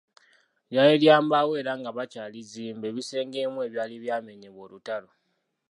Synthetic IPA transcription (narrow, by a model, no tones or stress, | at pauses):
jaeljaːmbawe̞ːɾaŋɡaβat͡ʃaliziːmbe̞βise̞ːŋɡe̞mue̞ːβjaːliβjaːme̞ɲeβo̞lutalo